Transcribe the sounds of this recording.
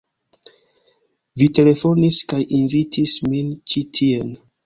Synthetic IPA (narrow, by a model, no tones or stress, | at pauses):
vite̞le̞fo̞niskajʔinvitʰismint͡ʃitʰie̞n